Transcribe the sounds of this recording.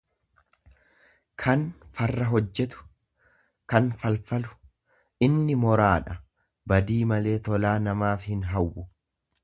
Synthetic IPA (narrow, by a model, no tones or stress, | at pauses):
kʰɐnfɐrːɐɦɔd͡ʒːɛt̪ʊ̥ | kɐnfɐlfɐlʊ̥ | ʔɪnːɪmɔɾaːᶑɐ | bɐd̪iːmɐle̞ːt̪ɔlaːnɐmaːfhɪnɦɐwːʊ